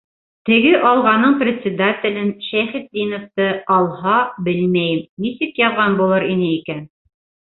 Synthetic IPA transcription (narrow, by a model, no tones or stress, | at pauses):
t̪ɘ̆ɡɘʔɑlˠʁɑnɤɴprʲɪt̪sʲɪd̪at̪ʲɪ̆lʲɘnʃæjχɘt̪̚d̪ʲinŏft̪ɤɑlˠhɑbɘlmæjmnisikjɑðʁɑnbulˠɤɾinɘikæn